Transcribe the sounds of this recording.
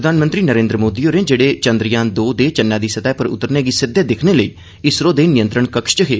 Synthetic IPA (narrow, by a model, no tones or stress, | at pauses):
ɾəd̪aːnmənt̪ɾiːnəɾẽːnd̪ɾəmoːd̪iːoːɾẽːd͡ʒeːɽeːt͡ʃənd̪ɾɪjãːd̪oːd̪eːt͡ʃənːjãːd̪iːsət̪aːpəɾʊ̰t̪ːəɾneːɡiːsɪd̪eːd̪ɪkʰneːləiː | ɪsɾoːd̪eːnɪjə̃nt̪ɾəɳkəkʃt͡ʃəɦeː